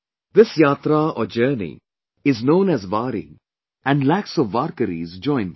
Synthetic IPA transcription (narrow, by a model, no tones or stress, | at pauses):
d̪ɪsjaːt̪ɾaɔ̰ːɾd͡ʒəːɾnḭ | ɪznõːnæzʋaːɾḭ̃ | ɛ̃ɳɖlæksɔʋːaːɾkəɾḭːzd͡ʒɔ̃ɪ̃n